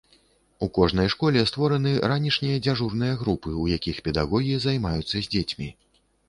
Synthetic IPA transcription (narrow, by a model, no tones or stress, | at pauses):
ukɔʐnɐjʂkɔlʲɛst̪vɔɾɐnɨɾanʲiʂnʲijɐd͡zʲaʐurn̪ɨjɐɣɾupɨujakʲixpʲɛd̪aɣɔɣʲijizajmajut̪sːɐzʲd͡zʲet͡sʲmʲi